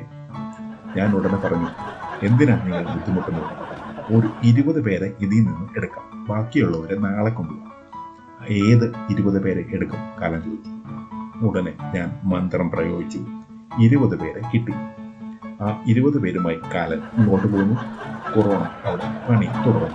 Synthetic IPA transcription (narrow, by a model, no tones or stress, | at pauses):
ɲaːnuɽɐnːɨpɐrɐɲːue̞nd̪inaːɳniŋːɐɭmud̪ʱːimuʈːunːuɭːɐo̞ɾuiɾubɐðɨpe̞ːɾeʔiðijninːɨeɽukːa̰ːmbaːkːijuɭːɐoɾenaːɭekʲːuɳɖɨ | e̞ːðɨiɾubɐðɨpe̞ːɾeʔeɽukːɐmka̰ːlɐne | uɽɐneɲaːnmɐnd̪rɐmprɐjo̞ːɡit͡ɕːɨ | iɾubɐðɨpe̞ːɾe̞kiʈːi | aːiɾubɐðɨpe̞ːɾumaːjikaːlɐtnoːʈːɨpoːɣunːukoro̞ːɳɐɐʋiɽepɐɳit̪uɽɐrunː